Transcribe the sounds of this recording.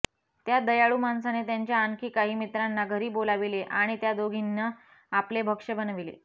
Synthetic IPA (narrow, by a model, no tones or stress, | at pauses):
t̪jad̪əjaɭuːmansanet̪jaɲt͡ɕjaaŋkiːkaɦiːmit̪ɾanːaɡʱəɾiːbolaʋileʔaɽ̃it̪jad̪oɡʱinːə | aplebʱəkʂəbənʋilḛ